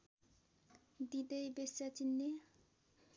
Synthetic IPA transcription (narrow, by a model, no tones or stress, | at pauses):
d̪id̪ejbesat͡ɕinːe